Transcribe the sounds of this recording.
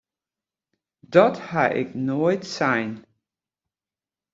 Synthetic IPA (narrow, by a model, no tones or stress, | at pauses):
dɔthaʔɪ̰knojtsajn